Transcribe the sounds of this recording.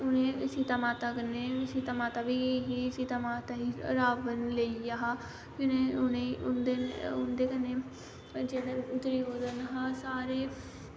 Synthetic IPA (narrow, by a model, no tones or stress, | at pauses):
ʊnẽːsiːt̪aːmaːt̪aːkəneːsiːt̪amaːt̪aːbiːɦiːsit̪aːmaːt̪aːɦiːɾaːʋənleijaːɦaː | kɪneːʊneʊnd̪eʊnd̪eːkəneː | d͡ʒeːɽeːʊd̪ɾiːoːd̪ənɦaːsaːɾeː